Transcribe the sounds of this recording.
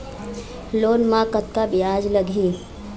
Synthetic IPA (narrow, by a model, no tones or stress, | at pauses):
loːnmãkət̪̚kabijaːd͡ʒləɡʱiː